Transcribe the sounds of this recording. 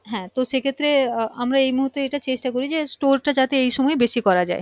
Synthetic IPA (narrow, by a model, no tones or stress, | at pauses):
ɦɛ̃t̪oʃekʰet̪ːɾeamɾaejmuɦut̪ːeeʈat͡ɕeʃʈakoɾid͡ʑesʈoɾʈad͡ʑat̪eejʃɔmɔebeʃikɔɾad͡ʑa̰e